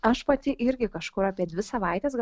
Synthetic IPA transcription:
ɐʃpɐt̪ʲɪʔɪɾʲɡʲɪkɐʃkʊɾɑːpʲiɛd̪ʲʋʲɪsɐʋɐˑɪt̪ʲɛːsɡ

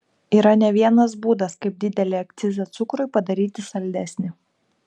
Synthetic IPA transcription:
iːɾɐnʲɛʋʲiɛnɐs̬buːd̪ɐskɐɪp̚d̪ʲɪd̪ʲɛlʲeɐk̚t̪sʲɪzʲɐt̪sʊkɾʊɪpɐd̪ɐɾʲiːt̪ʲɪsɐlʲd̪ʲæsʲnʲɪ

